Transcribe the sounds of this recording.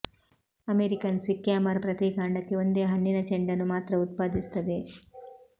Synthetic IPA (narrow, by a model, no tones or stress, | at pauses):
ɐmeːɾikɐnsikːjaːmɐɾpɾɐt̪iːkaːɳɖɐkːeo̞nd̪eːɦɐɳːinɐt͡ʃeɳɖɐnːumaːt̪ɾɐut̪̚paːd̪ist̪ɐd̪e̞